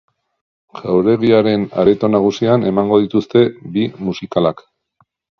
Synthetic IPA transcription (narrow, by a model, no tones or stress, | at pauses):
ʝawɾe̞ðiaɾe̞na̰ɾet̪o̞naɣ̞usiane̞maŋɡo̞ðit̪ust̪e̞bimusikalak